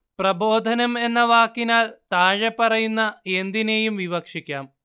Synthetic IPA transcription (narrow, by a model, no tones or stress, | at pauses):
prɐbo̞ːd̪ʱɐnɐme̞nːɐʋaːkːinaːlt̪aːɻepːɐrɐjunːɐe̞nd̪ine̞jumʋiʋɐkʂikʲːaːm